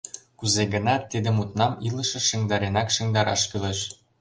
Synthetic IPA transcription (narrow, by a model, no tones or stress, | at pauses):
kuzeɡə̆nɑt̪ːid̪ə̆mut̪nɑmilɤ̆ʃɤ̆ʃĕŋd̪ɑɾenɑkʃĕŋd̪ɑɾɑʃkyleʃ